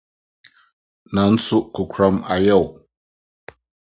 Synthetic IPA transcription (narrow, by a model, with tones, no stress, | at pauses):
na˨n̩˦su˦ʔku˨kʰɾa˦ma˨ja˦˨w